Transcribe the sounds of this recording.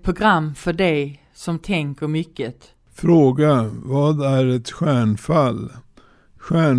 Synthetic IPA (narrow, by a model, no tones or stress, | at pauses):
pʰɾʊɡɾamːfœɖɛj | sɔmt̪ʰɛŋkəɾmʏkːət̪ | fɾoːɡavɑːd̪æɾɛt̪ɧæːɳfal | ɧæːɳ